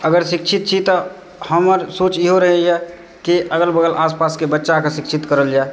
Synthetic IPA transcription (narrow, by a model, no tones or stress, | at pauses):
əɡəɾsikt͡ʃʰit̪̚t͡ʃʰit̪ɔ | həməɾsoːt͡ʃjiɦoɾəɦɛjɛ | kiʔəɡəlbəɡəlʔaːspaːskebətːʃakasikt͡ʃʰit̪kəɾəld͡ʒae